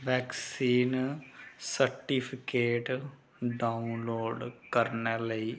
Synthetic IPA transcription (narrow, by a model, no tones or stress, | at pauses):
ʋɛːksiːn | səɾʈiːpʰɪkeːʈ | ɖaːunloːɖkəɾnɛːləiː